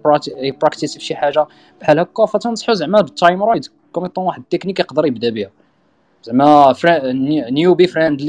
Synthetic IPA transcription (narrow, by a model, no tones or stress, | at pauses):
ɾpɾækt̪isfʃiħaʒa | b̥ħælhækːæfæt̪ɑnəsˤħuzəʕmæbt̪ˤːɑjmɾˤɑd̪ | kumət̪ˤːɑnwaħəd̪̚t̪ːeknikjqd̪əɾjəbd̪æbihæ | zəʕmæfɾænjubifɾænd̪l